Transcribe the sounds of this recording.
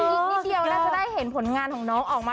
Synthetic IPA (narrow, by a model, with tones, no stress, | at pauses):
iː˧di˧əwnaː˥t͡ɕa˨˧˦daː˥˩jhe˨˩˦npʰo˨˩˦nŋaː˧nkʰɔː˩˦ŋnɔː˦˥ŋʔɔː˨˩k̚maː˧